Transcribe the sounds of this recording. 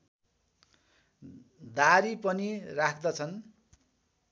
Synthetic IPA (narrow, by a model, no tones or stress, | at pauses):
d̪aɾipʌnirakʰd̪ʌt͡sʰʌn